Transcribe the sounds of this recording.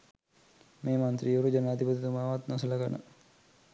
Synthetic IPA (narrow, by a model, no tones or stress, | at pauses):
meːmant̪ɾioɾud͡ʒənaːd̪ipət̪it̪umaːʋat̪nasələɡanə̰